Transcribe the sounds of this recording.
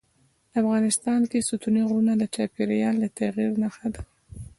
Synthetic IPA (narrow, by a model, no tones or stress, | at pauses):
afɣɑnɪst̪ɑnkesut̪uniɣɾunad̪ət͡ʃɑpeɾajɑnlat̪aɣiɾnaxad̪a